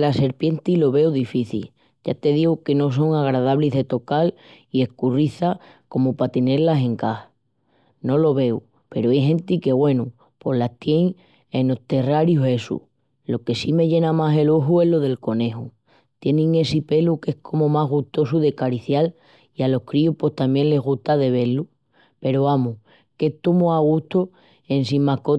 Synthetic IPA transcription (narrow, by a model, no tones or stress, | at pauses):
lase̞ɾpje̞nt̪ilo̞β̞e̞wðifiθḭ | ɟ͡ʝat̪e̞ð̞iɣuke̞no̞s̬o̞ŋaɣ̞ɾaðaβliɦðe̞t̪o̞kal | ie̞hkuriθa | ko̞mopat̪e̞ne̞ɾlase̞ŋkah | no̞lo̞βe̞w | pe̞ɾoajɦẽ̞nt̪ike̞βwe̞nu | po̞ɦlat̪je̞ŋ | e̞no̞ht̪e̞raɾjuɦe̞sṵ | lo̞ke̞sime̞ʝe̞namase̞loɦue̞ɦlo̞ðe̞lko̞ne̞ɦu | t̪je̞nĩŋe̞sipe̞luke̞hkʰo̞momaɦɣ̞uht̪o̞suðe̞kaɾiθjal | ialo̞hkɾiuhpwe̞ht̪ambje̞nle̞ɦɣuht̪aðe̞β̞e̞ɾlu | pe̞ɾoamu | ke̞ht̪umoaɣ̞ut̪o | e̞ns̬imahko